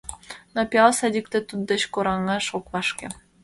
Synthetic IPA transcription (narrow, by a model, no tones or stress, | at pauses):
nopʲiɑlˠsɑd̪ʲikt̪ĕt̪ud̪ːə̆t͡ɕkoɾɑŋɑʃokβɑʃkʲḛ